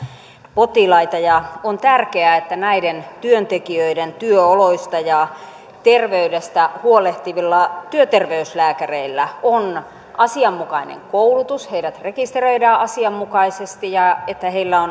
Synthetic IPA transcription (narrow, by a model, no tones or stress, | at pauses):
pot̪ilɑit̪ɑjɑont̪ærkeæet̪ːænæident̪yønt̪ekiøident̪yøoloist̪ɑjɑ | t̪erʋeydest̪æhuoleht̪iʋilːɑt̪yøt̪erʋeyslæːkæreilːæon | ʔɑsiɑmːukɑinḛŋkoulut̪usheiɾæt̪rekist̪erøidɑːʔɑsiɑmːukɑisest̪ijɑet̪ːæheilːæon